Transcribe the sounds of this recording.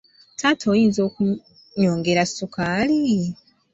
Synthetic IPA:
tʰatʰoːjiːnzo̞ːku | ɲo̞ːŋɡe̞ɾasukaːli

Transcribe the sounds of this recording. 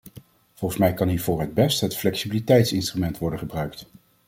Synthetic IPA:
v̥ɔlˠχəsmɛjkɑnɦiːɹvʊːɹɦəd̚bɛstɦətflɛksibilitɛjtsɪnstrymɛntʋɔɹdənχəbrœɥkt

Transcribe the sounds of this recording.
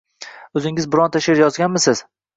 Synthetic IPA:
ɵzɪŋɪzbɪɾɒnt̪ʰaʃɪɾjɒzɡʲanmɪsɪz̥

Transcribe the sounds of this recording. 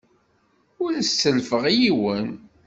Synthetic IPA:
ʊɾsəlfəʁjiwən

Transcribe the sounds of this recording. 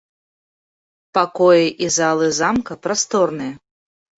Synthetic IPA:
pakɔjɛʔizalˠɨzamkɐpɾast̪ɔrnɨjɐ

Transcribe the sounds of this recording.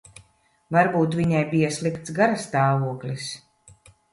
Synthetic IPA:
vaɾbuːt̪vʲiɲajbijasʲlˠikt̪sɡaɾast̪aːvuɔklʲis

